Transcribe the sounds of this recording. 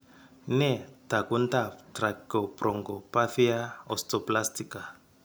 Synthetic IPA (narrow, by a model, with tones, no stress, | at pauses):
nɛ˦˨ta˨ku˦nta˦tɾa˨ko˨pɾɔ˨ŋɡo˨pa˦θi˦a˦ɔ̰sto˨pla˦stika˨